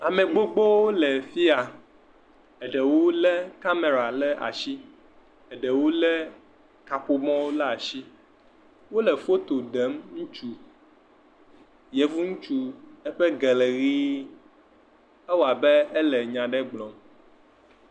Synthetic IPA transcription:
a˨mẽ˨ɡ͡bo˦ɡ͡bo˦wo˦lɛ˨fi˦a˨ | ɛ˨ɖɛ˨wo˦lɛ˦ka˦me˨ɾa˨lɛ˦ʔa̰˨ʃi˦ | ɛ˨ɖɛ˨wo˦lɛ˦ | ka˨ɸo˨mɔ̃˦wo˦la˦a˨ʃi˦ | wo˦lɛ˨fo˦t̪o˨ɖɛ˨˦mŋũ˦t͡ʃu˦ | jɛ˨vu˦ŋũ˦t͡ʃu˦ɛ˦ɸɛ˦ɡe˨le˨ɣi˦ | ɛ˦wo˨a˨bɛ˦ɛ˦lɛ˨ɲã˨ɖɛ˦ɡ͡blɔ̃˨m

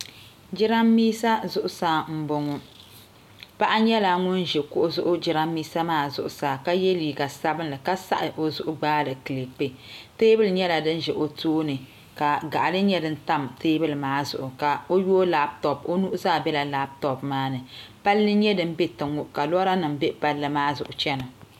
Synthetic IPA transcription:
d͡ʒɪ˦ɾa˦mːiː˦sa˦zʊ˨ʔʊ˨saː˦m̩˦bo˨ŋʊ˦ | pa˦ʔa˦ɲɛ˦la˨ŋʊ˦nʒɛ˨kʊ˦ʔʊ˦zʊ˦ʔʊ˦d͡ʒɪ˨˦ɾa˦mːiː˦sa˦maː˦˨zʊ˨ʔʊ˨saː˨ka˦jɛ˦liː˨ɡa˨sa˦bɨ˦nlɨ˨ka˦sa̰˦ʔɨ˨ʔo˨zʊ˦ʔʊ˦ɡ͡baː˦lɨ˨kɨ˨le˨k͡pe˦teː˦bɨ˦lɨ˨ɲɛ˦la˨dɨ˦n˦ʒɛ˨ʔo˨toː˦nɨ˨ | ka˨ɡa̰˨ʔa˨lɨ˦ɲɛ˦dɨ˦n̩˦ta˦mteː˦bɨ˦lmaː˦zʊ˨ʔʊ˨ka˨o˦jo˦la˦b̚tɔ˨po˦nu˦ʔʊ˦zaː˦˨bɛ˦la˨la˦b̚tɔ˨pmaː˦nɨ˨pa˦lːɨ˦ɲɛ˦dɨ˦m˦be˦tɨ˨ŋʊ˦ʔka˨lɔ˦ɾa˦nɨ˨mbe˦pa˦lːɨ˦maː˦zʊ̰˨ʔʊ˨t͡ʃɛ˦na˨

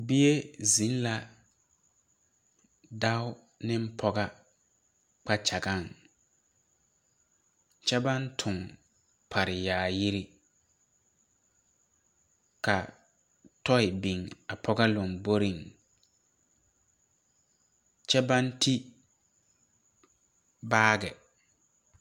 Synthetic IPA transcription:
bi˦e˦zĩ˨˦n˦la˨ | da˦ʊ˦ | nɪ˦m̩˦pʰɔ˦ɡa˦ | k͡pa˦t͡ʃa˨ɡa˦˨ŋ | t͡ʃɛ˦ba˦ntʰʊ˨ŋ | pʰa˨ɾɪ˨jaː˨ji˦ɾi˦ | ka˨ | tʰɔ˦ɪ˨bi˨ŋa˨pʰɔ˦ɡa˦lʊ˨mbo˦ɾi˨ŋ | t͡ʃɛ˦ba˦ntʰi˦ | baː˦ɡɛ˨

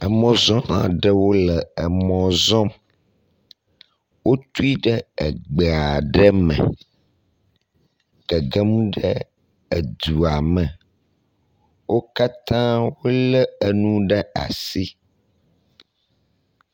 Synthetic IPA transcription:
ə˨mɔ̃˨zɔ̃˦ã̰˨ɖə˦wo˦lɛ˨ə˨mɔ̃˨zɔ̃˦m | wʔo˦t̪u˦i˦ɖɛ˦ə˨ɡ͡be˨a˨ɖə˦mɛ̰̃˨ | ɡ̥ə˨ɡə˦mũ˦ɖə˦ | e˨d̪u˨a˨mə̃˨ | wo˦ka˦t̪ã˦wo˦lə˦ə˨nũ˦ɖɛ˦a̰˨si˦

